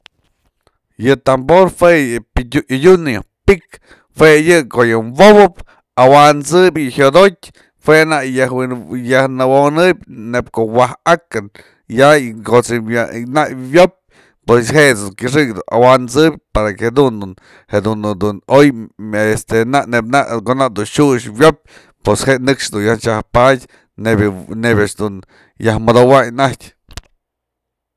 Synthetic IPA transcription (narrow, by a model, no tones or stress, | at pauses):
jɨt̪amboɾhwejɨiuʔidʲunpik | hwejɨkojɨmboβɨp̚ | awant͡sɨbʲhod̪ot̚ʲ | fwenajajahnɨwonɨbʲnep̚koʔwahakan | jakot͡sɨanaʔβjop̚ʲ | pwesɦeʔt͡sd̪uŋkʲɨʂ̬ɨkd̪unawant͡sɨbʲpaɾakhed̪und̪un | hed̪und̪unojest̪enaʔneb̚naʔkonaʔd̪unʃuʂwjop̚ | pwesheʔnɨkʂd̪unjaht͡ʃahpadʲ | nebʲnebʲaʔʂd̪un | jahmad̪owajnahtʲ